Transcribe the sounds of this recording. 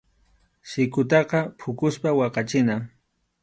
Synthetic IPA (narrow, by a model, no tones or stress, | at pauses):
sɪkʊt̪̬ɑqɑpʰʊkʊspawɑqɑt͡ʃɪna